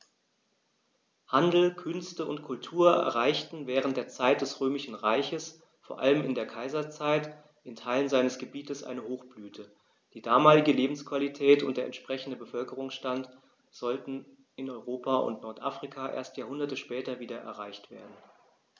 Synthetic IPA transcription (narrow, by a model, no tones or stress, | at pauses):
handl̩kʰʏnstəʊntkʰʊltʰuːɐɛ̰ɐʁaɪçtn̩vɛːʁ̞ən̩t̚d̥eːɐt͡saɪt̚d̥ɛsʁøːmɪʃn̩ʁaɪçəs | foːɐʔaləmɪndeːɐkʰaɪzɐt͡saɪt | ɪntʰaɪlənzaɪnəsɡ̥əbiːtəsʔa̰ɪnəhoːxb̥lyːtʰə | d̥iːdaːmaːlɪɡəleːbm̩skv̥alitʰɛːtʊ̰ntd̥eːɐʔɛ̰ntʃpʁ̥ɛçn̩dəbəfœlkəʁ̞ʊŋsʃtant | z̥ɔltn̩ | ɪnɔʏʁoːpʰaʊ̰ntnɔɐtʔafʁ̥ikʰaʔḛːɐstjaːhʊndɐtəʃpɛːtɐviːdɐʔɛ̰ɐʁaɪçtv̥ḛːɐdn̩